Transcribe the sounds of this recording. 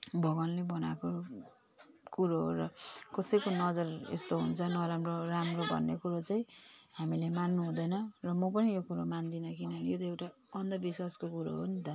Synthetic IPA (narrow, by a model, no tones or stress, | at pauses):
bʱʌɡʌnlebʌnako | kuɾoɦɾʌkʌsʌjkonʌd͡zʌrḛst̪oɦunt͡sʰʌnʌɾamroramrobʱʌ̰nːekuɾot͡saĩɦamilemanːuɦũd̪ʌnʌrʌmʌp̬ʌnijokuɾomand̪inʌkinʌnijotʌewʈa | ʌnd̪ʌbiswaskokuɾo̰ɦunt̪ʌ